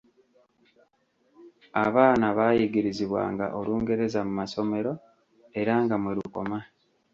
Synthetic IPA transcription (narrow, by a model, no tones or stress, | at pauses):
aβaːnaβaːjiɡiɾiziβwa̰ːŋɡa̰ʔoluːŋɡe̞ɾe̞zamumaso̞me̞ɾo̞ | e̞ɾaŋɡamweɾuko̞̰ma